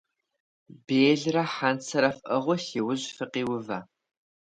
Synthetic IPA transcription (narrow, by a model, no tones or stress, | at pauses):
beːɮrɐħant͡sʰɐɾɐfʔɐʁʷʊɬiwʊʑfɨqiːwʊvaː